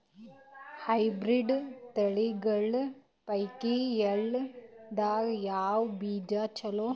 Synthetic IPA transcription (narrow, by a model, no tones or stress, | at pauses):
hɐjbɾiɖt̪ɐɭiɡɐɭ | pɐjkieɭd̪aːɡjaːwbiːd͡ʒat͡ʃɐloː